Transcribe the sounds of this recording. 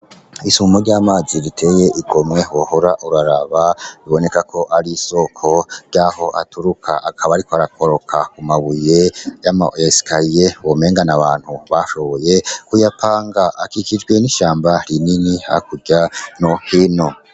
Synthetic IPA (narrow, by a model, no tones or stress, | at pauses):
isuumoɾɟaːmaːziɾitʰe̞ːje̞ʔiɡo̞mŋe̞wo̞hoɾaʔuɾaɾaβaβiβo̞ne̞kakʰo̞ʔaɾiso̞kʰo̞ɾɟaːho̞ʔa̰tuɾukʰa̰ʔakʰaβaɾikoaɾakʰo̞ɾo̞kʰakumaβujejama̰ʔjasi̥kʰajewome̞ːŋɡanaβaːn̥huβaʃo̞βoje̞kujapʰaːŋɡaʔakikid͡ʒɡwe̞niʃaːmbaɾininiha̰kuɟanohino̞